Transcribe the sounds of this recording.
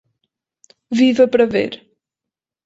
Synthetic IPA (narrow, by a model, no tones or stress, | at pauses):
vivɐpɾɐvḛɾ